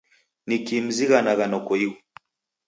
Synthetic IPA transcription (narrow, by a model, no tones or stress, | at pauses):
nikim̩ziɣanaɣanɔkɔiɣu